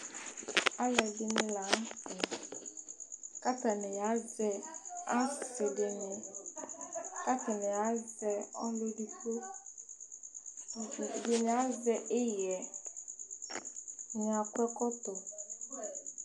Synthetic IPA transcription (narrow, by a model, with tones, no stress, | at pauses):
a˦lɛ˨dɪ˦nɪ̃˦la˨˦n˦sɪ˨ | ka˦ta˨nɪ̃˨ja˨˦d͡zɛ˦a˦sɪ˨dɪ˨nɪ˨ | ka˦ta˨nɪ̃˨ja˨˦d͡zɛ˦ɔ˦lo˦di˦ko˦ | dɪ˨nɪ̃˨a˦d͡zɛ˦ʔɪ˦jɛ˨ | ɲa˨kʷɛ˦kɔ˦tɔ˨